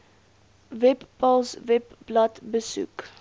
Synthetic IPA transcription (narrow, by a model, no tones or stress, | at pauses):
vɛppɐlˠsvɛpblɐtbəsṵk